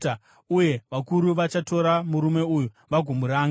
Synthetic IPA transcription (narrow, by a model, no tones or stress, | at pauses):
uje̞ʋakuɾuʋat͡ʃato̞ɾamuɾume̞uju | ʋaɡʱumuɾaːŋa